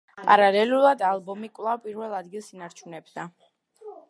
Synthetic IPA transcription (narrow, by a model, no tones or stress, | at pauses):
pʼa̰ɾalɛlulˠad̪alˠbɔmikʼwlˠavpʼiɾvɛlˠad̪ɡilˠsinaɾt͡ʃʰunɛbd̪a